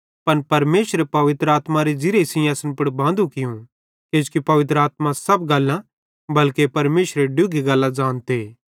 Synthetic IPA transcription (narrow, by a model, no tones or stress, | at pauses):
pɐnpɐɾmeːʃɾepɐʋɪt̪ɾəaːt̪maɾed͡ʒɪɾesɪjaːsənpɐɽbãːnd̪ũkɪjũ | ked͡ʒkipɐʋɪt̪ɾəaːt̪̚mãsɐbɡɐlːã | bɐlkepɐɾmeːʃɾeɖʊɡeɡɐlːãd͡ʒaːnt̪eː